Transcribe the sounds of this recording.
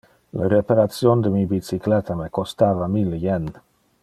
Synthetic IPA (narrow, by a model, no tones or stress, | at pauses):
leɾepaɾat̪sjond̪əmibit͡siklɛt̪amekost̪aːvamiljɛn